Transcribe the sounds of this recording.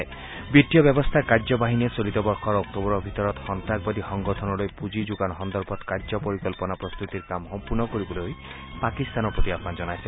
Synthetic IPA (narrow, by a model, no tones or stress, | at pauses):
bit̪ijɔbjɔbɔst̪ʰakad͡ʒɔbaɦiniesolit̪ɔbɔɾkʰɔɾɔk̚t̪ɔbɔɾɔbʱit̪ɔɾɔt̪hɔnt̪ak̚bɔd̪ihɔŋɡɔt̪ʰɔnɔlojpud͡ʒid͡ʒuɡanɦɔnd̪ɔɾbʰʱɔt̪kad͡ʒɔpɔɾikɔlpɔnapɾɔst̪ut̪iɾkamɦɔmpuɾnɔkoɾibɔloj | pakist̪anɔpɾɔt̪iapnad͡ʒɔnajse